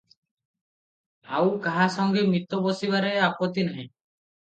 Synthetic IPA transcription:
a̰wkaɦasɔŋɡemit̪obosibaɾeapot̪inaɦɛ̃

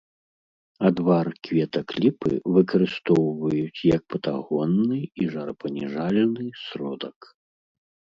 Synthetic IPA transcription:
ad̪varkvʲɛt̪ɐklʲipɨ̰vɨkɐɾɨst̪ɔwvɐjut͡sʲjɐk̚pɐt̪a̰ɣɔnːɨiʐaɾɐpɐnʲɛʐalʲɛnɨsɾɔd̪ɐk

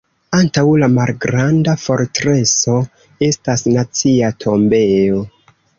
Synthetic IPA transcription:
antawlamalɡɾandafo̞ɾtɾe̞so̞ | e̞stasnat͡siatʰo̞mbe̞o̞

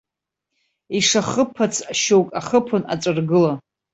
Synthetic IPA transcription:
iʂaχəpʰat͡sʰʃowkʼaχəpʰʊna̰ʈ͡ʂʼɨrɡɨla

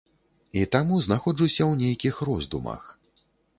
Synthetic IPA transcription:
it̪amuznaxɔd͡ʐusʲɐwnʲejkʲixrɔzd̪ṵmɐ̰x

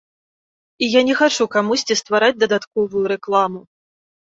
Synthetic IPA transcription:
ijanʲɛxat͡ʂukamusʲt͡sʲist̪vaɾad͡zʲd̪ɐd̪at̪kɔvujuɾɛklˠamu

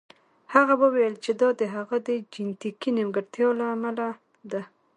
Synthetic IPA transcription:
haɣabəwejəlt͡ʃed̪ɑd̪əɦaɣad̪əd͡ʒɪnt̪ikinɪmɡəɾt̪jɑlaːmala | d̪a

